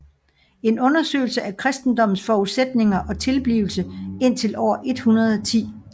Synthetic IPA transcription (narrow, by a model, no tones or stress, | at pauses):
e̝nɔ̽nɐsø̰ːlsəʔækʰʁɛsd̥n̩d̥ɒ̽m̰n̩sfɒːuðˠsed̥̚ne̝ŋɐʔɒ̽t͡sʰe̝lb̥liʊl̩səe̝n̰t͡sʰe̝lʔɒ̰ːɐʔe̝d̥hunɐð̞ˠɒt͡sʰḭː